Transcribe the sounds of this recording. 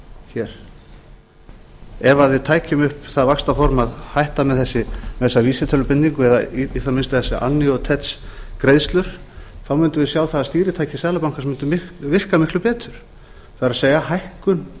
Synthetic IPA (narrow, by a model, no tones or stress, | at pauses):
çɛːɾ̥ | ɛvaðvɪðt̪ʰaːjcʏmʏhpθaðvakst̪afɔɾmaðhajht̪amɛðθɛsːɪmɛθɛsːaliːsɪt̪ʰœlʏpɪnːiŋkʏɛðaiiːθamɪnst̪aθɛsːɪʔa̰nːiɔt̪ʰɛt̪skɾeːjðst̪lʏɾ̥ | θawmʏnt̪ʏvɪsjaːwθaðast̪iːɾɪt̪ʰaːjcɪ̥sɛːðlapawŋ̥kasmʏnt̪ʏmɪkvɪr̥kamɪhklʏpɛːt̪ʏɾ̥ | θaðɾaseːjɣahajhkʏn